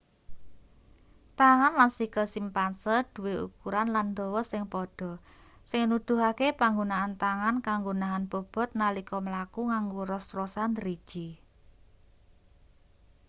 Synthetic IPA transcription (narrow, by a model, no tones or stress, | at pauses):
t̪aŋanlansikəlsimpansərd̪̥uweʔṵkuɾanland̪ɔwɔsɪŋpɔɖ̥ɔ̤ | sɪŋnud̪̥ṳɦakepaŋɡonaʔant̪aŋankaŋɡonaɦanb̥ɔ̤b̥ɔ̤t̪̚nalikɔməlakuŋaŋɡoɾɔsrosand̪ɾid̥ʒ̥i